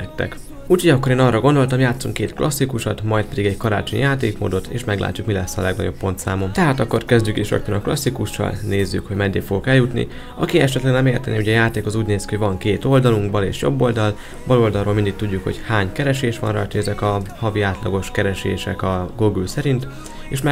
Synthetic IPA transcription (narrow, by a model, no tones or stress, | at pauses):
ɛtt̪ːɛ̰k | uːchoɟɒkːo̞ɾeːnɒrɒɡo̞nd̪o̞lt̪ɒmjaːt̪suŋkeːt̪klʔɒsːikuʃɒ̰t̪mɒjt̪̚pɛd̪iɡɛɟkɒɾa̰ːt͡ʃoɲjaːt̪eːkmo̰ːd̪o̞t̪ḛːʃmɛɡlʔa̰ːcːukmilɛsːɒ̰lɛɡnɒ̰ɟo̞pːpo̞nt̪saːmo̞mt̪ɛɦaːt̪ɒkːo̞rkɛzɟykeːʃɒ̰kt̪ɛnɒklɒsːikuʃːɒ̰lneːzːykho̞ɟmɛnd̪eːfoɡokɛljut̪nḭ | ɒkiɛʃɛt̪lɛɡnɛmeːrt̪ɛneːuɟɛjaːt̪eːkozuːɟneːskihoɟvɒŋkeːt̪o̞ld̪ɒluŋɡbɒlḛːʃjo̞̰bːo̞ld̪ɒl | bɒlo̞ld̪ɒlrɾoːlmind̪ik̚t̪uɟːukho̞̰chaːɲkɛɾɛʃeːʃʋɒ̰nrɒ̰jt̪ʰoɛzɛkɒhɒviaːt̪lɒɡo̞ʃkɛɾɛʃḛːʃɛkɒɡuɡylsɛɾint̪ | eːʃmɛ